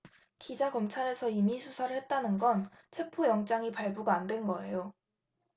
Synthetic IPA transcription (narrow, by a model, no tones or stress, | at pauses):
kid͡ʑakʌmt͡ɕʰaɾe̞sʰʌimisʰusʰaɾɯɭhe̞t̚t͈anɯnɡʌn | t͡ɕʰe̞pʰojʌŋt͡ɕ͈aŋipaɭbuɡaːndwe̞nɡʌe̞jo